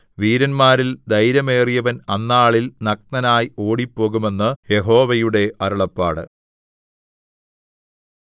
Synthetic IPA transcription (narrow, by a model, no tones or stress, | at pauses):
ʋiːɾɐnmaːɾild̪ɐjɾɐme̞ːrijɐʋɐnɐnːaːɭilnɐk̪̚nɐnaːjo̞ːɽipːo̞ːɣume̞nːɨje̞ɦo̞ːʋɐjuɽe̞ɐɾɐɭɐpːa̰ːɽɨ̰